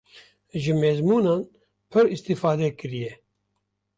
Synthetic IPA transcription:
ʒɨmeːzmuːnaːn | pʰɨɾist̪ifaːd̪ɛkɨɾijɛ

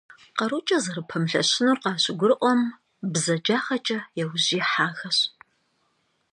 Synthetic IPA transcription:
qɐɾut͡ʃʼɐzɐɾɨpʰɐmɬɐ̰ɕɪnuːrqɑːɕʼɪɡʷʊrɨʔʷɔm | bzɐd͡ʒaːχɐt͡ʃʼɐjɛwʑiːħaːxɐɕ

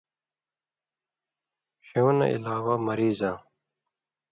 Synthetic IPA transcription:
ɕoːna̰ḭlaːwamɐɾiːzãː

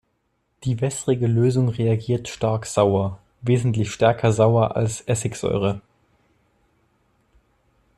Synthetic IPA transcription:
d̥iːvɛsʁ̥ɪɡəløːzʊŋʁeaɡiːɐtʃtaɐkz̥aʊɐ | veːzn̩tlɪçʃtɛɐkʰɐzaʊɐʔa̰lsʔɛsɪkz̥ɔ̰ʏʁ̞ə

